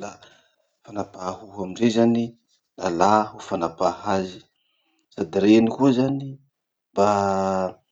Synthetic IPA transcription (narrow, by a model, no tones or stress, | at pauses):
la | fanapahuɦamiɳɖ͡ʐezani | lalahufanapahazi̥ | sad̪iɾenikuəzani | b̥a